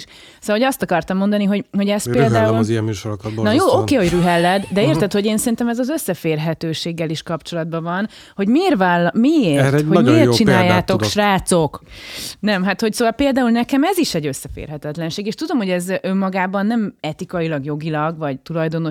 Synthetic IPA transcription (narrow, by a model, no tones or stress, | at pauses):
ʃ | sooɒst̪ɒkɒrt̪ɒmːo̞nd̪ɒniɦo̞ɟho̞ɟɛseːld̪aːulziɛmmyːʃoɾokɒbonɒjoːokeːhoɟryɦɛlːɛd̪d̪ɛeːrt̪ɛt̪ho̞ɟeːnsɛɾint̪ɛmɛzɒzøsːɛfeːrɦɛt̪øːʃeːɡːɛliʃkɒpt͡ʃo̞lɒd̪̚bɒvɒn | ho̞ɟmeːrvaːlːmieːrhomeːrt͡ʃinaːjːaaːt̪o̞kʃraːt̪so̞knɛmɦat̪hocsoːvɒlpeːld̪aːulnɛkɛmɛziʃɛɟøsːɛfḛːrɦɛt̪ɛt̪lɛnʃeːɡeːʃt̪ud̪o̞mhoɛzømːɒɡaːbɒnːɛmɛt̪ikɒilɒɡjo̞ɡilɒɡvɒɟt̪ulɒjd̪o̞no̞